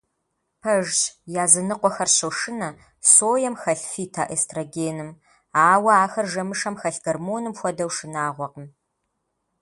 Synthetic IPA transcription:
pʰɐʒt͡ʃjaːzɨnɨqʷɔxɐrɕɐwʂɨnɐ | soːjɐmxɐɬfiːtʰaːʔeːstʰroɡeːnɨm | aːwɐaːxɐrʒɐmɨʂɐmxɐɬɡɐrmoːnɨmxʷɔdɐwʂɨnaːʁʷɔqəm

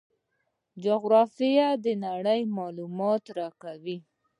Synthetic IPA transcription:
d͡ʒʊɣɾɑfijad̪ənaɽəjmɑlumɑt̪ɾɑkawi

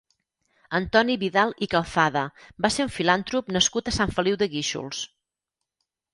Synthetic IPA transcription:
ənt̪ɔniβiðalˠikəlˠθaðəbaseɾuɱfilant̪ɾupnəskut̪əsaɱfəliwðəɣiʃṵlˠs

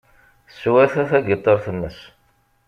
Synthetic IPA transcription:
sːwæθæθæɡət̪ˤːəɾˤθəmːəs

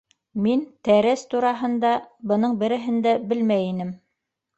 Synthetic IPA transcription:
mint̪æɾæst̪uɾɑɦɤ̆nd̪ɑbɤ̆nɤɴbɘ̆ɾɘ̆ɦɘ̆nd̪æbɘlmæjinɘm

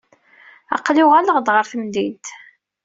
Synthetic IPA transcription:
ɑ̰qːlʊʁaləʁd̪ʁəɾθəmd̪it̪

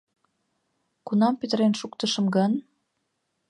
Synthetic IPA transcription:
kunɑmpøt̪əɾenʃukt̪əʃə̆mɡən

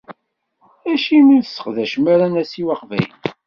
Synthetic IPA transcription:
æʃiməθsə̥χðæʃmæɾænæsiwɑqvæ̰jən

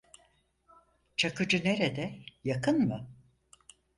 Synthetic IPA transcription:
t͡ʃʰakɯd͡ʒɯne̞ɾed̪ɛjakʰɯnmɯ

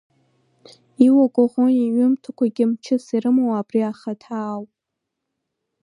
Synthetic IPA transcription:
iwaɡʷʼaʁʷoiɥʊmtʰakʷʰaɡʲɪmt͡ʃʰɨsiɾɨmowabriaχatʰaːwʼ

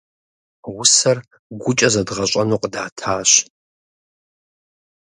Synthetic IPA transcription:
wʊsɐr | ɡʷʊt͡ʃʼɐzɐdʁɐɕʷʼɐnuːqədaːtʰaːɕ

